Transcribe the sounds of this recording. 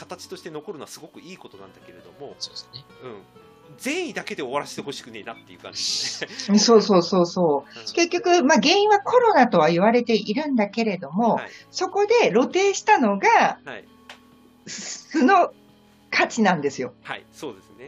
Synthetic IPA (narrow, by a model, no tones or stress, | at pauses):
kḁt̪at͡ɕi̥t̪o̞ɕi̥t̪e̞no̞ko̞ɾɯnoasɨɡo̞kɯ̟iːko̞t̪o̞nã̰nd̪ake̞ɾe̞d̪o̞mo̞soesneɯ̟̃ɴ | zẽ̞ɰ̃ĩd̪ake̞d̪e̞oβaɾase̥t̪eho̞ɕi̥kɯ̟ne̞inat̪ːḛiɯ̟ːkã̰nd͡ʑieeso̞ːso̞ːso̞ːso̞ːke̞kʲːo̞kɯ̟maɡẽ̞ɰ̃ĩβakʰo̞ɾo̞nat̪o̞β̞aiβaɾe̞t̪e̞ʔiɾɯ̟̃nd̪ake̞ɾe̞d̪o̞mo̞so̞ko̞d̪e̞ɾo̞t̪e̞ːɕi̥t̪ano̞ɡai | ssɨno̞ | kʰat͡ɕinãnd̪e̞sɨjo̞ha̰iso̞ːd̪e̞sɨne